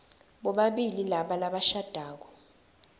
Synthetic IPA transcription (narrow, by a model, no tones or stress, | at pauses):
ɓɔɓaɓililaɓalaɓaʃad̥ʱaːk̬ɔ̥